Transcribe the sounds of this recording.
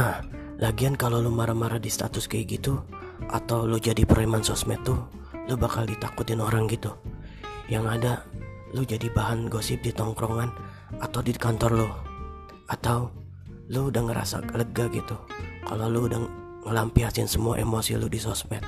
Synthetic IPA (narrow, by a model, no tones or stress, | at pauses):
nah | laɡiankalolumaɾamaɾadist̪a̰t̪ʊskajɡit̪u | ʔa̰t̪awlud͡ʒadipɾoimansɔsmɛt̪ːʊ | lʊbakaldit̪akʊt̪ɪnoɾaŋɡit̪u | jaŋada | lʊhd͡ʒadibaɦanɡosɪp̚dit̪ɔŋkɾɔŋan | at̪awdikant̪ɔrlʊh | ʔat̪aw | ludaŋəɾa̰sa̰ləɡaɡit̪uka̰loludaŋ | ŋəlampiasɪnsəmua̰ʔemosḭlʊdisɔsmɛt̪̚